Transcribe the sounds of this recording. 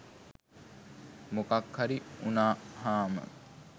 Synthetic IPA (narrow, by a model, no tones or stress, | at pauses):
mokakhaɾiunaːhaːmə̰